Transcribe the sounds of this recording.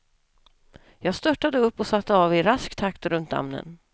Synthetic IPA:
jɑːɡst̪œʈːad̪əɵpːɔsat̪ːəɑːvɪɾaskt̪ʰak̚t̪ɾɵnt̪a̰mnə̰n

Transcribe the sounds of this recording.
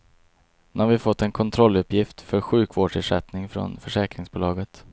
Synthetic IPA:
ɛnaɾvɪfɔt̪ːɛnkʰɔnt̪ʰɾɔlːɵpjɪft̪fœɾɧʉ̟ːkvoːɖʂɪʂɛt̪nɪŋfɾɔ̰nfœʂɛːkɾɪŋsbʊːlɑːɡət̪

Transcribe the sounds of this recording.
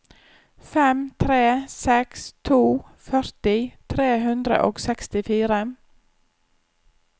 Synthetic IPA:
fɛmt̪ʰɾeːsɛkst̪ʰuː | fœɾt̪ɪt̪ʰɾeːɦʉnd̪ɾə̰ʔo̰ːɡsɛkst̪ɪfiːɾə

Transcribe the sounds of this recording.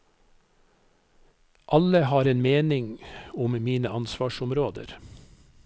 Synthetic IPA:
ʔɑləhɑːɾeːnmeːnɪŋʊmmiːnəɑnsʋɑːʃʊmɾoːd̪ə̰ɾ

